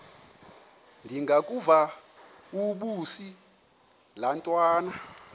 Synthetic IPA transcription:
ndʱiŋɡʱakʼuva | uɓusi | lantʼwaːna

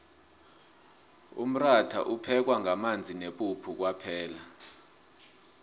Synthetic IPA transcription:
ṵm̩ratʰa̰ʔupʰɛk̬waŋʱamand͡zʱineɓupʰuk̬wapʰɛːla

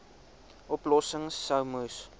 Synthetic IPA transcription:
ʔɔplɔsəŋsːəwmus

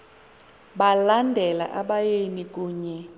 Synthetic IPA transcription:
ɓalandʱɛla̰ʔaɓajenik̬ʼuːɲɛ

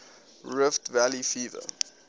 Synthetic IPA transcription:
ɹɪftvælifiːvə̰

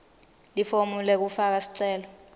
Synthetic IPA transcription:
lifomulɛk̬ufak̬asi̥ǀɛːlɔ

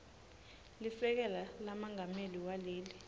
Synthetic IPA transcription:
lifɛk̬ɛlalamaŋameliwaleːli

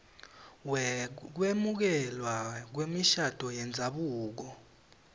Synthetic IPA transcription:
k̬wemuk̬ɛlwak̬wemiʃad̥ʱɔjɛnd͡zʱaɓuːk̬ɔ

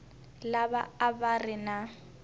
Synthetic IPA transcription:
laba̰abarɪna

